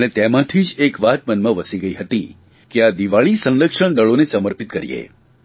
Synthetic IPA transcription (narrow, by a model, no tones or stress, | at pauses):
ənet̪emãt̪ʰid͡ʒekʋat̪mənmãʋəsiɡəiɦət̪i | kead̪iʋaɭisə̃nləkʂəɳ̃d̪əɭonesəməɾpit̪̚kəɾḭḛ